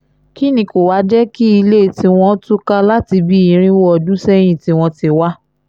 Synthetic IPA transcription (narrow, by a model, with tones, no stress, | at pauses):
ki˦˨nĩ˧˦ko˨wa˨˦d͡ʒɛ˦ki˦i˧le˦˨ti˧w̃ɔ̃˧˦tu˦ka˦la˦ti˧bi˦ĩ˨˦ɾ̃ĩ˦wɔ˦ɔ˧˨dũ˦sɛ˦j̃ĩ˦˨ti˧w̃ɔ̃˧ti˧wa˦